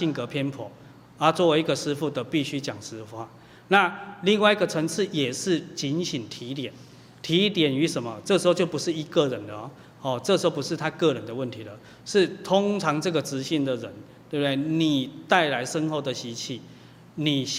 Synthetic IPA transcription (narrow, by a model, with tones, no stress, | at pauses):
i˥˩nkə˧˦pʰjɛ˥npʰwɔ̰˨˩˦ | a˨˦t͡swɔ˥˩we˧˥i˧ɡə˨˧ʂɻ̩˥fu˥˩d̪ə˨pi˥˧ɕy˥t͡ɕja˨˩ŋʂɻ̩˧˥fa˦˩ | na˥˨li˥˧ŋwa˥˧i˥˩ɡə˨t͡sʰə˧˥ŋʂ̩ʰ˥˩jɛ˨˩ʂɻ̩˥˩t͡ɕi˧˦nɕi˨˩nt̪ʰi˧˦t̪jɛ˨˩˦n | t̪ʰi˨˥˦t̪jɛ˨˩ny˧˦ʂə˨˩nmə˦t͡sɤ˥˩ʂ̩˧xo˥˧t͡ɕjo˥˩ʊpu˧˦ʂɻ̩˥˩i˧˥kə˥˨ɻə˨˦nd̪ə˧˨˦ | hɔ˥˨t͡sɤ˥˩˧ʂ̩˧˥o˥˩pu˧˦ʂɻ̩˥˧t̪ʰa˥kɤ˥˩˨ɻə˧˦nd̪ə˧wə˥˩nt̪ʰi˨˦lə˨ | ʂɻ̩˥˩t̪ʰʊ˦˥ŋt͡sʰɑ˨˦ŋt͡sɤ˥˨˩ɡə˨t͡sɻ̩˧˦ɕi˥˩nd̪ə˨ɻə̰˧˦nt̪we˥˩bə˩e˥˩ɪni˨˩t̪a˥˩ɪla˧˥ɪʂə˦nxo˥˩ʊd̪ə˨ɕi˧˥t͡ɕʰi˥˩ | ni˨˩